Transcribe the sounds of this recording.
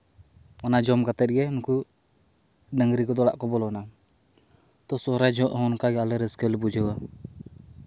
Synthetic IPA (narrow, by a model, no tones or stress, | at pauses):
ɔnad͡ʒɔmkat̪ɛt̪̚ɡɛmuku | dəŋɡɾikɔd̪ɔla̰ʔkɔbɔlɔna | t̪ɔsɔɾad͡ʒɔʔɦɔnkaɡalɛɾɛskɛlbud͡ʒəwa